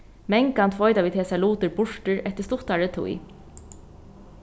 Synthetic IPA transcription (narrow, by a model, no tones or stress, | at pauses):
mɛŋkant̪ʰvɔjt̪aʋiːt̪hɛːsaluːt̪ɪɹbʊʂʈɪɹɛht̪əst̪ʊt̪aɹət̪ʰṵj